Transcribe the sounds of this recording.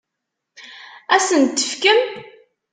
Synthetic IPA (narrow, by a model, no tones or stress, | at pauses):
æsənt̪ːə̥fkəm